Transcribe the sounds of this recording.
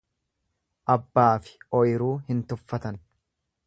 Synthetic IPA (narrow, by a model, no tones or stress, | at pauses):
ʔɐbːaːfɪ̥ɔjɪɾuːhɪnt̪ʊfːɐt̪ɐn